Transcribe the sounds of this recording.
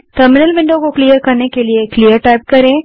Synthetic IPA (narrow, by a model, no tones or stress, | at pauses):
ʈəɾmɪnəlʋɪ̃ɳɖokoklijəɾkɐɾnekelieklijəɾʈaːɪp̚kɐɾẽː